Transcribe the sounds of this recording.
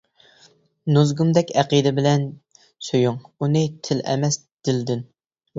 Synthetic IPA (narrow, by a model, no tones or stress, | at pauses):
nuzɡumd̪ɛkʲæqid̪ɪbɪlɛn | søjuŋunɨt̪ʰɪlɛ̰mɛs | d̪̥ɪld̪ɪn